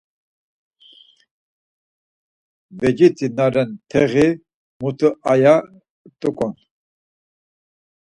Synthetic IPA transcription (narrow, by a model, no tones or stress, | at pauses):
vɛd͡ʒit̪ʰinaɾɛnt̪ʰɛɣi | mut̪ʰəʔaja | t̪ʼukʼɔn